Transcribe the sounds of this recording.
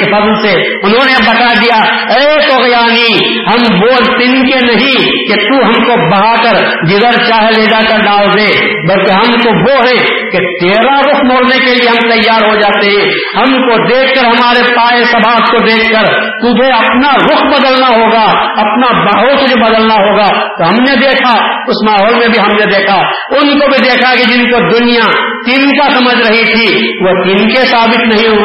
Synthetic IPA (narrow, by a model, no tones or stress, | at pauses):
epɐzlse | ʊnɦõːnebɐt̪ad̪ija | eːkoɣjaːni | ɦɐmboːlt̪ɪnkenɐɦĩ | ket̪uɦɐmkobɐɦaːkəɾ | ɡɪzəɾt͡ʃaːɦeleːd̪akɐɾɖaːld̪eː | bɐlkeɦɐmt̪oʋoɦɛ̃ | ket̪eːɾaɾʊkʰmoːɽnekelieɦɐ̃mt̪ɐjːaːɾɦod͡ʒaːt̪eɦɛ̃ː | hɐmkod̪eːkʰːəɾɦɐmaːɾepaːesɐbʱaːt̪kod̪eːkʰːəɾ | t̪ʊd͡ʒʱeɐpnaɾʊkʰbɐd̪əlnaɦoːɡaɐpnabɐɦosed͡ʒobɐd̪əlnaɦoːɡat̪oɦɐmned̪eːkʰa | ʊsmaːɦoːlmẽbʱiɦɐmned̪eːkʰa | ʊnkobʱid̪eːkʰakid͡ʒɪnkod̪ʊnijat̪ɪnkasɐməd͡ʒʱɾɐɦit̪ʰiʋot̪ɪnkesaːbɪt̪nɐɦĩɦo